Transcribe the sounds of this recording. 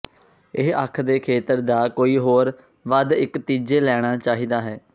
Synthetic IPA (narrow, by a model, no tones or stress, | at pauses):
ɪɦəkʰd̪eːkʰeːt̪əɾd̪aːkoːiːɦoːɾ | ʋəd̪ɪkt̪iːd͡ʒeːlɛːɽ̃aːt͡ʃaːɦiːd̪aːɦɛː